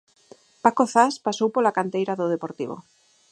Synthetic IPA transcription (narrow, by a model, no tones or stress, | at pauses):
pakoθaspasowpolakant̪ejɾaðoð̞epoɾt̪iβ̞o̰